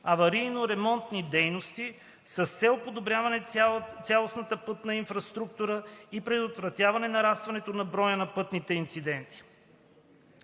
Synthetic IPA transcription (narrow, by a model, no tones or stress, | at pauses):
ɐvɐɾijnoɾɛmɔnt̪nid̪ɛjnost̪i | sɐst̪sɛlˠopod̪obɾʲjavɐnɛt̪sʲjalˠosnɐt̪əpɤt̪nɐinfɾɐst̪ɾuk̚t̪uɾəipɾɛd̪ot̪vɾɐt̪ʲjavɐnɛnɐɾast̪vɐnɛt̪onɐbɾɔjənɐpɤt̪nit̪ɛint̪sid̪ɛnt̪i̥